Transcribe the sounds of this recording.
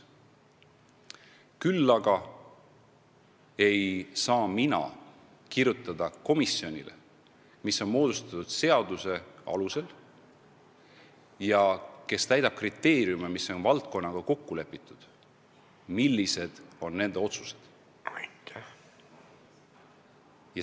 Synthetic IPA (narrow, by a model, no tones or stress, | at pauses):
kylːɑɡ̥ɑ | e̞jsɑːminɑ̰ | kirjut̪ˑːɑd̪ɑko̞misːio̞nʲilʔḛ | misːo̞nmo̞ːd̪̥ust̪ɑt̪ud̪̥se̞ɑd̪̥use̞ɑ̰luse̞l | jɑke̞st̪æjd̪ɑb̥̚krit̪ːˑe̞ːɾjumemisːo̞nvɑlt̪̚ko̞nːɑɡ̥ɑko̞kːule̞pːˑit̪ːˑud̪̥ | milːise̞d̪̥o̞nːe̞nd̪e̞o̞t̪su̥se̞̥d̪̥ | t̪ | jɑ